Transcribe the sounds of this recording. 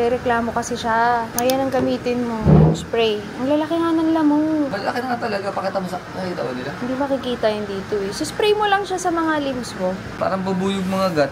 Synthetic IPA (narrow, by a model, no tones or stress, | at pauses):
ɛɾɛklaːmo̞kɐsɪʃaʔɐjanɐŋɡɐmiːt̪ɪnmo̞spɾɛj | ɐŋlɐlɐkɪŋanɐnlamoŋmɐlɐlɐkɪnɐŋat̪ɐlɐɡapɐkɛt̪ɐmɐsapɐkit̪awɐ̰nɪlahɪnd̪imɐkɪkiːt̪ɐjʊnd̪iːt̪o̞ɛsʊspɾɛjmolɐŋʃasɐmɐŋalimbsmo̞ | pa̰ːɾɐŋbɐbuːjʊɡ̚mɐŋaɡat̪̚